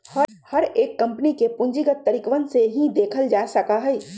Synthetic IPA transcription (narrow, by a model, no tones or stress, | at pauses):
hɐ | hɐɾeːkːɐ̃mpənikepʊ̃ɲd͡ʒiɡət̪ːəɾikʋənseɦĩd̪eːkʰəld͡ʒaːsɐkaɦɛ